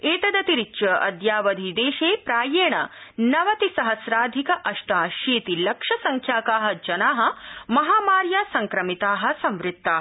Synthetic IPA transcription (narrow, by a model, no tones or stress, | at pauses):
eːt̪ɐd̪ɐt̪iɾiːt͡ʃɐʔɐ̰d̪jaːʋɐd̪ʱid̪eːʃeːpɾaːjeːɳɐ̰nɐʋɐt̪isɐɦɐsɾaːd̪ʱikɐʔɐʃʈ̪aːʃeːt̪ilɐkʂɐsɐŋkʰjaːkaːɦɐ̆d͡ʒɐnaːɦɐ̆mɐɦaːmaːɾjaːsɐŋkɾɐmit̪aːɦɐ̆sɐ̃mʋɾɪt̪ːaː